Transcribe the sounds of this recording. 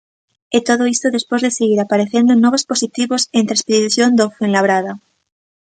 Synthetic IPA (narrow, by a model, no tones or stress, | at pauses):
et̪oðoist̪oðe̞spwe̞zðeseɣiɾapaɾeθjend̪onoβ̞ospo̞sit̪iβosent̪ɾespeðiθjond̪ofenlaβ̞ɾaða